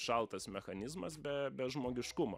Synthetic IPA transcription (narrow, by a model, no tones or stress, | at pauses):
ʃɐlˠt̪ɐsmʲɛxɐnʲɪzmɐsbʲɛbʲɛʒmoːɡʲɪʃkʊmo̰ː